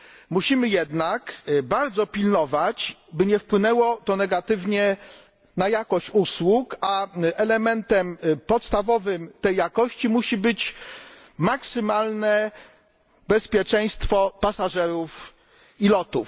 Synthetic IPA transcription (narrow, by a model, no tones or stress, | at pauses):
muɕimɘjɛd̪nakbaɾd̪zɔpʲilnɔvat͡ɕbɘɲɛfpwɘnɛwɔt̪ɔnɛɡat̪ɘvɲɛ | najakɔɕt͡ɕuswukaɛlɛmɛnt̪ɛmpɔt̪st̪avɔvɘmt̪ɛjːakɔɕt͡ɕimuɕibɘt͡ɕ | maksɘmalnɛ | bɛspʲjɛt͡ʂɛj̃st̪fɔpasaʐɛɾuf | ilɔt̪uf